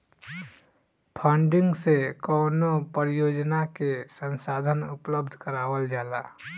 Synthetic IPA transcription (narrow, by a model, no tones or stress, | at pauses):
pʰə̃ːɳɖɪ̃ŋɡsekɔːnopəɾjoːd͡ʒnakesə̃nsaːd̪ʱənʊpləbd̪ʱkəɾaːʋəld͡ʒaːlaː